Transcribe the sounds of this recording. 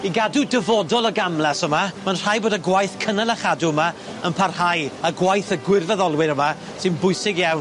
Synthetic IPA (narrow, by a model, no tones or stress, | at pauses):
iɡadudəvɔdɔlˠəɡamlˠɛsəmamanr̥ajboːdəɡwajθkʰənalˠaχaduəma | ənpʰarhajəɡwajθəɡwɪrvɛðɔlˠwɪɾəma | sɨnbʊjsɪɡjawn